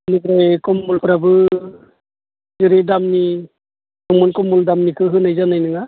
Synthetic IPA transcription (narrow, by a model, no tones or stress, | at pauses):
nɯbɾajkɔmːulpʰɯɾabɯ | zɯɾidamni | sɔŋmɔnkɔmːuldamnikʰɯɦɯnajzanajnɯŋa